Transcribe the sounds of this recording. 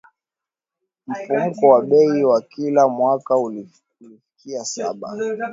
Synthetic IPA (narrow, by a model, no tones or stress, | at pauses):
m̩fum̩kɔwaɓɛiwakilamwakau | ulifi̥kʰiasaɓa̰